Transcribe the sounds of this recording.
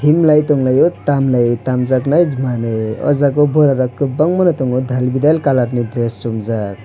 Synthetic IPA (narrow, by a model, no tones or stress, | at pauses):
t̪ʰimlajt̪uŋlajot̪amlajt̪amd͡zaknajd͡zmaneʌ̰d͡zak̬obʱoɾaɾʌkːobʌŋmʌnʌt̪uŋod̪ʱalbid̪alkalaɾnid̪ɾest͡sumd͡zat̪̚